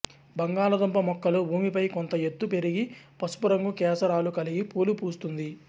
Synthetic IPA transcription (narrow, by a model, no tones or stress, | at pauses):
bɐŋɡaːlɐd̪ɐmpɐmɔkːɐlubʱuːmipɐjkont̪ɐet̪ːupe̞ɾiɡipɐsu̥puɾɐŋɡukɛːsɐɾaːlukɐliɡipoːlupuːst̪und̪i